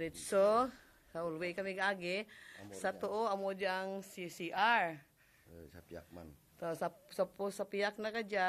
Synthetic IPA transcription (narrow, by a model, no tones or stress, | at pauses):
ɾit̪so | saulwekamiɡaaɡesat̪uoamod͡ʒaŋsisiʔar | k | t̪osasapusapiak̚nakad͡ʒa